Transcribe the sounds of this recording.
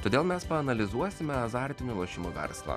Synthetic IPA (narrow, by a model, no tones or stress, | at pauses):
t̪oːd̪ʲeːlˠmʲɛspɐɐnɐlʲɪzuɔsʲɪmʲɛɐzɑˑɾʲt̪ʲɪnʲʊlˠɐʃʲɪmoʋʲɛ̰ɾslˠɑ̰